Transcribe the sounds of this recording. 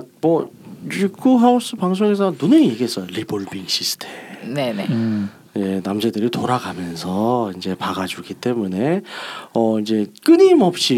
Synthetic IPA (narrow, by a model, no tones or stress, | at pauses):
mʌikʰuɦaus͈ʰɯpaŋs̬ʰoŋe̞s̬ʰʌnunɯnjeɡes͈ʌjoɾiboɭbiŋɕʰisʰɯ̥tʰemnene | jenamd͡ʑedɯɾitoɾaɡamjʌnsʰʌind͡ʑe̞paɡad͡ʑuɡit͈e̞mune̞ʌind͡ʑe̞k͈ɯɲimʌp̚ɕ͈i